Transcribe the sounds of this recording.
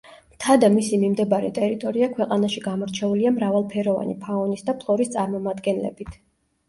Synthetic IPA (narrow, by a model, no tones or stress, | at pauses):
mt̪ʰad̪amisimimd̪ɛbaɾɛ̰t̪ʼɛɾit̪ʼɔɾiakʰwɛqʼanaʃiɡamɔɾt͡ʃʰɛuliamɾavalˠpʰɛɾɔva̰nipʰaɔnisd̪apʰlˠɔɾist̪sʼaɾmɔmad̪ɡɛnlɛ̰bit̪ʰ